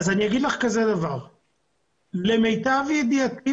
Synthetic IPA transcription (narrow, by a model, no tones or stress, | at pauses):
zanijaɡid̪laχkaze̞d̪avaʁ | leme̞jt̪avjed̪iat̪i